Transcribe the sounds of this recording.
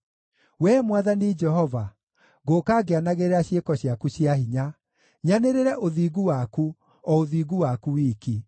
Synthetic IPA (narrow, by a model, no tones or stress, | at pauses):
wɛmwaðanid͡ʒɛhɔva | ɣokaːɡeanaɣeɾeɾaɕjekɔɕjakuɕjaɦiɲa | ɲaneɾeɾɛʔoðiːɣuwaku | ɔoðiːɣuwakuwiki